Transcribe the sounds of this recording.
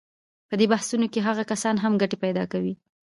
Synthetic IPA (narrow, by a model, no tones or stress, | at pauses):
pəd̪ebahsunokeɦaɣakasɑnɦamɡaʈepajd̪ɑkawi